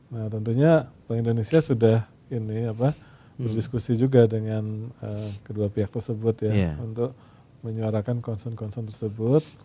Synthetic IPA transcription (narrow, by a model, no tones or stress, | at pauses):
naht̪ənt̪uɲapaaŋindonesiasudah | iniapa | bərdiskusid͡ʒuɡadəŋanəkəduapiɦak̚t̪ərsəbʊt̪jaunt̪ʊk̚ | məɲuaɾakankɔnsɔnkɔnsɔnt̪ərsəbʊt̪̚